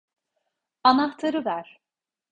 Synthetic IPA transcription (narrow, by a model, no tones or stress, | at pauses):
anaht̪ʰaɾɯvæɾ̥